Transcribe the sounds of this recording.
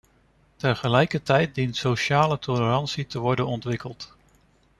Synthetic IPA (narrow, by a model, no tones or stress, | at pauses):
tənχəlɛjkəɹtɛjt̚dintsowʃaːlətʰɔləɾɑnsitəʋɔɹdənɔntʋɪkəlˠt